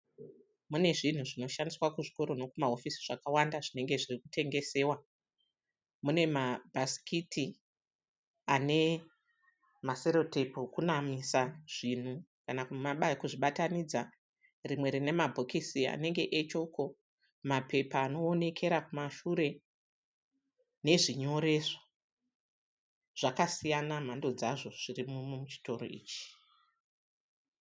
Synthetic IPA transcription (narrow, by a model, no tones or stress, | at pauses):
mune̞ʐin̤uʐino̞ʃandiswakuʐiko̞ɾo̞no̞kumaɦo̞fisiʐ̥akawandaʐine̞ŋɡe̞ʐirikutʰe̞ŋɡe̞se̞ːwa | mune̞mabʱasi̥kʰitʰi | ane̞ | maseɾo̞tepokunamisaʐ̥in̤ukanakumaɓakuʐiɓatanid͡za | rimwe̞ɾine̞mabʱokisia̰ne̞ŋɡe̞ʔet͡ʃo̞ko̞ | mape̞paːno̞ːne̞kʰe̞ɾakumaʃuɾe̞ | ne̞ʐiɲo̞ɾe̞ʐo̥ | ʐ̥akasijanam̤ando̞d͡zaʐo̞ʐ̥irimumut͡ʃi̥to̞ɾo̰ḭːt͡ʃi̥